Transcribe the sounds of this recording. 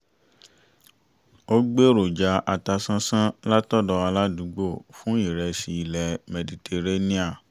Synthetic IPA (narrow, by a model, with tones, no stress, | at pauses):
o˦ɡ͡be˦ɾo˨d͡ʒa˨˧ʔa˧ta˧sã˦sã˦la˦tɔ˦dɔ˧a˧la˦du˨˦ɡ͡bo˦˨fũ˦i˦˨ɾɛ˧si˧i˧˨lɛ˨mɛ˨di˨tʰe˧ɾe˦nĩ˦a˦˨